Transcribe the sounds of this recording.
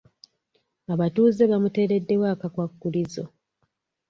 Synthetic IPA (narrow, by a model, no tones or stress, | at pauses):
aβatuːze̞βamute̞ːɾe̞dːe̞waːkakwakːulizo̞̰